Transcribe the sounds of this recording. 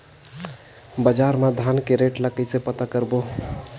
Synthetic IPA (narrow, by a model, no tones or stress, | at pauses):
bəd͡ʒaɾmad̪ʱankeɾeʈləkəjsepət̪akəɾbo